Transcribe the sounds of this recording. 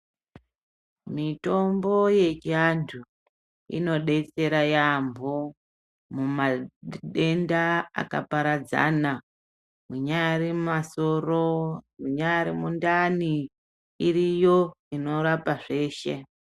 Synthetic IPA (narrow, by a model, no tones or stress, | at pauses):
mito̞mbo̞je̞t͡ʃiandʰu | ḭno̞ɗe̞t͡se̞ɾajambʱo | mumaɗe̞ndaa̰ka̰paɾad͡za̰na | muɲajaɾimaso̞romuɲajaɾimundani | iɾijo̞ino̞ɾapaʐe̞ːʃe̞̰